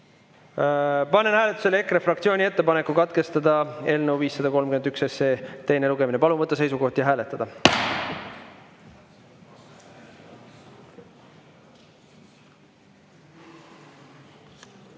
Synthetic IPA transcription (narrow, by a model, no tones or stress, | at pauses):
pɑnːenhæːle̞t̪ːˑu̥se̞lekːrefrɑk̚t̪sʲio̞ːnʲie̞t̪ːe̞pɑne̞kːˑukɑt̪ke̞st̪ɑd̪ɑe̞ːlnəwviːsːɑd̪̥ɑko̞lmkymed̪ykse̞seːt̪e̞jne̞luɡeminepɑluvɤt̪ːˑɑs̬e̞jsuko̞ht̪jɑɦæːle̞t̪ːˑɑd̪ɑ